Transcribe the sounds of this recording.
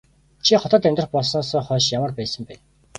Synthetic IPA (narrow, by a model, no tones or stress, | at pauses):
t͡ɕʰiχɔt̪ɞ̆t̪æmʲt̪rə̆χpɔɮsnɔːsɔːχœːʃjamə̆rpæːsə̆mpæːn